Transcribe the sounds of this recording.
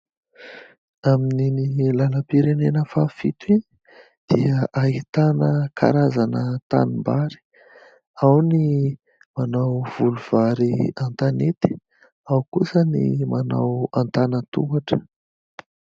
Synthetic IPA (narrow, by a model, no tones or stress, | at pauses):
amininilaləpiɾenenəfafit̪i | d̪̥iəʔaɦit̪anəkʰa̰ɾazanət̪a̰nimbaɾi̥ | awni | manawv̥uluv̥aɾiant̪anet̪i̥ | awkusənḭmana̰want̪anət̪uaʈ͡ʂə̥